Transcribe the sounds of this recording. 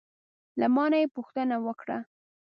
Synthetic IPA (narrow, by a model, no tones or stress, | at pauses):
lamɑnajepuxt̪ənawəkɽa̰